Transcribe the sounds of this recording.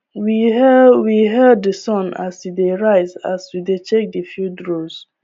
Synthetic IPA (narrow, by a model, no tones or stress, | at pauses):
wiwiɦɛd̚ːəsɔ̃na̰sideɹaɪza̰swidet͡ʃek̚difjudɹoz